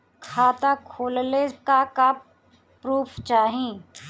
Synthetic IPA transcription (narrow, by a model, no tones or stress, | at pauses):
kʰaːt̪akʰoːllekaka | pɾuːpʰt͡ʃaːɦĩ